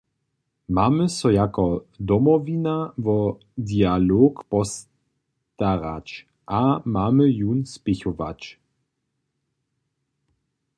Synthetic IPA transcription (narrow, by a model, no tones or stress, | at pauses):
maːməsɔjakɔd̪ɔmɔvinavɔ | d̪ialoːkpɔs | t̪aʁa̰t͡ʃ | ʔamaːməjunspɪçɔva̰t͡ʃ